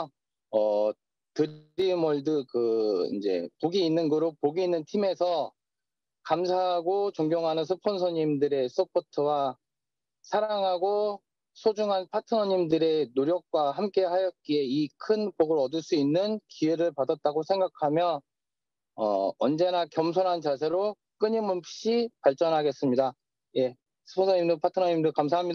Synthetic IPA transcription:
ʌ | tɯɾimʌɭdɯkɯḭnd͡ʑe̞̰poɡiːnːɯnɡɯɾopoɡiːnːɯntʰime̞sʰʌ | kamsʰaɦaɡot͡ɕoŋɡjoŋɦanɯns̬ʰɯpʰonsʰʌɲimdɯɾe̞sʰɯpʰotʰɯwa | sʰaɾaŋɦaɡo | sʰod͡ʑuŋɦanpʰatʰɯnʌɲimdɯɾe̞noɾjʌk̚k͈waɦamk͈e̞hajʌt̚k͈ie̞ikʰɯnpoɡɯɾʌdɯɭs͈uinːɯnkiwe̞ɾɯɭpadat̚t͈aɡosʰe̞ŋɡakʰamjʌ | ʌ̰ʌnd͡ʑe̞nakjʌmsʰoɾɦant͡ɕasʰe̞ɾo | k͈ɯɲimunpʰɕ͈ipaɭt͡ɕ͈ʌnɦaɡe̞s͈ɯmɲida | je̞ | sʰɯ̥pʰonsʰʌɲimdopʰatʰɯnʌɲimdɯkams̬ʰaɦamɲida

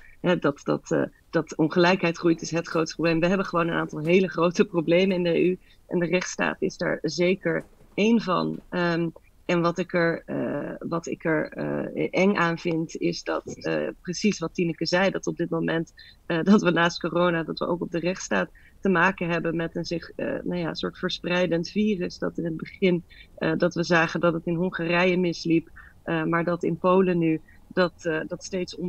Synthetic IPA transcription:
ɦɛdɑtdɑ̰t | d̥ɑtɔnχəlɛjkɦɛjtχrujtɪsɦətχrowtproblejmʋəɦɛbənχəʋownənʔaːntɑlˠɦejləχrowtəprowblejmənɪndəeʔy | ʔɛ̰ndərɛχtsta̰ːtɪzda̰ːɹzejkəɹejnvɑ̰nəm | ʔɛnʋɑtɪkəɹ | ʋɑtɪ̰kəɹ̰ʔɛŋaːnvɪntɪ̰zdɑ̰tprəsisʋɑtinəkəzɛjdɑtɔb̚dɪt̚mowmɛnt | dɑtʋənaːst̚korownadɑtʋə̰ʔo̰wkɔb̚dərɛχtstaːtː | əmaːkənɦɛbənmɛtənzɪχnawja̰sʊːɹtfəɹsprɛjdəntfiːrəsdɑ̰tɪnɦəd̚bəχɪndɑtʋəzaːχəndɑtətɪnɦɔŋχaːrɛjəmɪslipʔəmaːɹdɑtɪ̰npowləny | d̥ɑtdɑtstejtsɔn

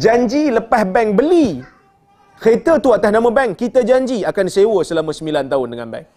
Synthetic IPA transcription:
d͡ʒaɲd͡ʒiləpahbɛŋbəli | xet̪ət̪uat̪ahnãmə̃bɛŋkit̪əd͡ʒaɲd͡ʒiakansewəsəlamə̃səmilant̪aɦʊndəŋa̰nbɛ̰ŋ

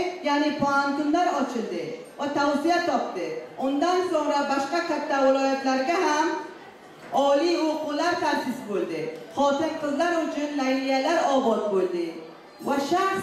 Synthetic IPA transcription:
kjaːnipʰoɦant̪ʊnlaɾɒt͡ʃʰɪld̪ɪ | vat̪ʰawsijat̪ʰɒp̚t̪ɪʊnd̪ansoŋɾabaʃqakʲʰat̪ʰːavɪlɔːjat̪laɾɡʲaɦam | ɒlioqulaɾt̪ʰaɾsɪsbold̪ɪhɒsɪnqɨzlaɾʊt͡ʃʰʊnlajlijalaɾɒbɒzbold̪ɪ | vaʃaχ

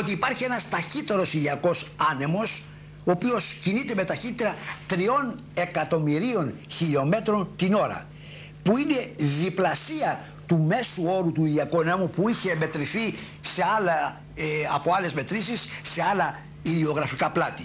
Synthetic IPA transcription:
ot̪iːpɐɾçie̞nɐst̪ɐçit̪e̞ɾo̞siðiɐko̞sɐne̞mo̞s | oːpio̞scinit̪e̞me̞t̪ɐçit̪eɾɐt̪ɾio̞ne̞kɐt̪o̞miɾio̞nçiʎo̞me̞t̪ɾo̞nt̪ino̞ɾɐ̰ | puine̞ðiplɐsiɐ | t̪ume̞suo̞ɾut̪uiðiɐkunemupuiçe̞ːme̞t̪ɾiθi | se̞ɐlɐ | ɐpo̞ɐle̞zme̞t̪ɾisisːe̞ɐlɐ | ilio̞ɣɾɐfikɐplɐt̪i

